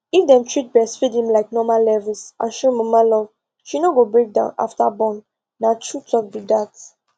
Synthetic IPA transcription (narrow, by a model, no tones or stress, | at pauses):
ifdɛ̃mtʰɹit̚bɛsfidĩmlaɪk̚nɔmalːɛvilsʔã̰nʃɔmɔmalɔv | ʃinoɡobɹek̚dã̰ʊ̃na̰ftabɔ̃nː | atʰutʰɔk̚dudat